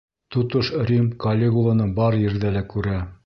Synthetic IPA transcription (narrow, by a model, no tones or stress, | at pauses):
t̪ŏt̪oʃrʲimkɐlʲːeɡulˠɤ̆nɤɴbɑɾjɘ̆ɾd̪ælækʉɾæ